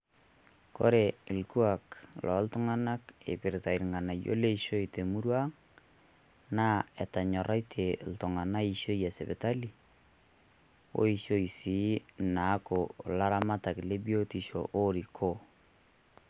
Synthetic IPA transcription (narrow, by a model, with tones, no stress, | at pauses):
ko̰˦ɾe˨ɪ˨lku˦a˨klʔɔ˨˦ltʊ˦ŋa˦na˦kḛ˨pɪ˨ɾɪta˨i˨ɾŋa˨na˨jo̰˦le˦iʃo˦i˨te˨mu˦ɾwa˦ | naː˦ɛ˨ta˨ɲɔ˨ɾa˦itʰe˨ltʊ˨ŋa˨na˦i˦ʃo˦jɛ˨se˨be˨ta˦li˨ | o̰˦i˦ʃo˦i˨si˨na˨˦ko˨la˦ɾa˦ma˦ta˨kɪ˨le˦bjo˦ti˨ʃo̰˨ʔo˦ɾi˨kʰo˦